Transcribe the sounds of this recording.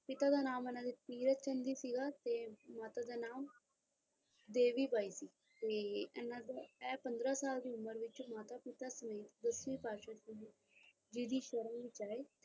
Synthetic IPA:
pɪt̪aːd̪aːnaːmənãːd̪iːpiːɾət͡ʃənd̪iːsiːɡaːt̪eːmaːt̪aːd̪aːnaːm | d̪eːʋiːbaːiːsiː | t̪eːɛnãːd̪aɛːpənd̪ɾaːsaːld̪iːʊməɾʋɪt͡ʃmaːt̪aːpɪt̪aːsəmeːt̪d̪əsʋiːpaːʃaːs | d͡ʒɪd̪iːʃəɾəmʋɪt͡ʃaːeː

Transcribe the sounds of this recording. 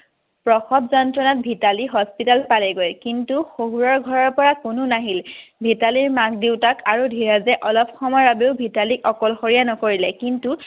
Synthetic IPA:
pɹɔxɔbzɔntɹɔnat̚bʱitaliɦɔspitalpalɛɡojkintuxoɦuɹɔɹɡʱɔɹɔɹpɔɹakʊnʊnaɦilbʱitaliɹmak̚diwtakʰaɹudʱiɹazɛʔɔlɔpxɔmɔabeʊbʱitalikɔkɔlxoɹijanɔkoɹilɛkintu

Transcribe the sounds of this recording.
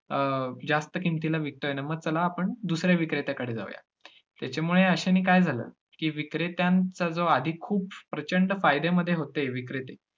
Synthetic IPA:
əd͡zast̪əkint̪ilaʋik̚t̪əenaməɡ̚t͡səlaːpəɳd̪usɾjaʋikɾet̪akaɽ̤iːd͡za̰ʋja̰ | t̪jat͡ɕemuɭeəɕaniːkajd͡zʱalə̰ː | kiːʋikɾet̪jãnt͡sad͡zoad̪ʱikʰːuːppɾət͡ɕəɳɖfajd̪eməd̪ʱːjeɦot̪eeʋikɾet̪e

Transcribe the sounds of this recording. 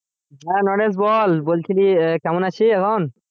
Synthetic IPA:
ɦɛnɔnes̬bɔlbolt̪ʰilikamɔnat͡ɕʰiɛkʰɔn

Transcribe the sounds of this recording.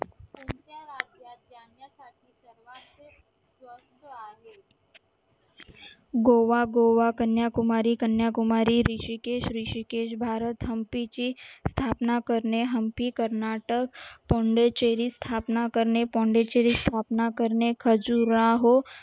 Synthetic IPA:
ənt̪jaɾad͡ʒjadjanjasaʈ̪̚ʰisəɾʋase | sʋə | ɡ̪aɦe | ɡoʋaɡoʋakənjakʊmaɾikənjakʊmaɾiɾiʃikeʃɾiʃikeʃbʱaɾət̪ɦəmpit͡ʃist̪ʰapnakəɾneɦəmpikəɾnaʈək̚pɔ̃ɳɖet͡ʃeɾist̪ʰapnakəɾnepɔ̃ɳɖet͡ʃeɾist̪ʰapnakəɾnekʰəd͡ʒuɾaɦo

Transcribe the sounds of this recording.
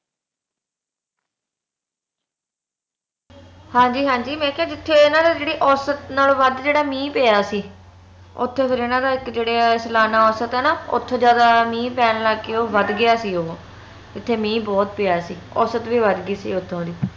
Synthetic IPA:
hãːɲd͡ʒiːɦãːɲd͡ʒiːmɛ̃ːkjaːd͡ʒɪt̪ʰːeːɪnãːd̪aːd͡ʒeːɽiːʔɔːsət̪naːlːʋəd̪d͡ʒeːɽaːmĩːpeːjaːsiː | ʊ̰t̪ʰːeːpʰɪɾɪnãːd̪aːɪkd͡ʒeːɽeːslaːnaːɔːsət̪ɦɛːnaːʊ̰t̪ʰːoːd͡ʒjaːd̪aːmĩːpɛːnlaːkːeːoːʋəd̪ɡɪjaːsiːoː | d͡ʒɪt̪ʰːeːmĩːbɔːt̪̚peːaːsiːɔ̰ːsət̪ʋiːʋəd̪ɡiːsḭːʊt̪ʰːõːd̪iː

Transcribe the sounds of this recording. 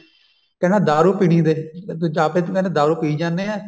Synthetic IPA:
kɛnaːd̪aːɾuːpiːɽ̃iːd̪eːd͡ʒaːpeːt̪kɛnãːd̪aːɾuːpiːid͡ʒaːnːeːaː

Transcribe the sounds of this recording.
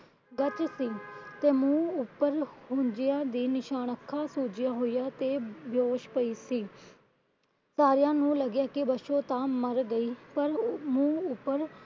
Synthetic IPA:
ɡət͡ʃsiːt̪eːmũːʊpːəɾhʊ̃ɲd͡ʒɪjãːd̪iːnɪʃaːnəkʰːãːsuːd͡ʒɪjaːɦoːijaːt̪eːbjoːʃpəiːsiː | saːɾɪjãːnũːləɡjaːkɪbəʃõːt̪ãːməɾɡəiːpəɾmũːʊpːəɾ

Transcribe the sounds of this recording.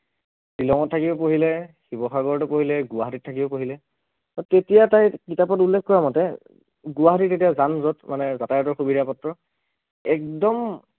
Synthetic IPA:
pilɔŋɔtʰːakibɔpoɦilɛxibɔxaɡɔɹtɔpoɦilɛɡʊwaɦatitʰakibɔpoɦilɛ | tetijatajkitapɔtulːɛkʰkɔɹamɔtɛ | ɡʊwaɦatitetijazanzɔtmanɛzatajɔtɔɹxubidapɔtɹɔ | ɛk̚dɔm

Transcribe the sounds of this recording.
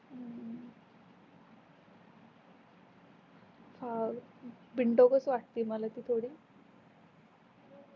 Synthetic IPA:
fa | biɳʈokəsʋaʈ̚t̪iːməlat̪iːt̪ʰoɽiː

